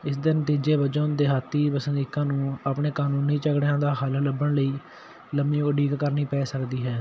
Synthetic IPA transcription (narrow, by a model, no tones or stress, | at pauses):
ɪsd̪ɪnət̪iːd͡ʒeːbəd͡ʒond̪eːɦaːt̪ːiːbəsənd̪iːkãːnũːaːpɳeːkaːnuːnːĩːt͡ʃəɡɽjãːd̪aːɦaːlaːləbəɳləiː | ləmĩːkəɖiːkkəɾniːpɛːsəkd̪iːɦɛː